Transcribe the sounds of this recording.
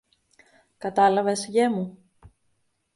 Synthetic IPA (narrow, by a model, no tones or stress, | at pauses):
kɐt̪ɐlɐvesʝemu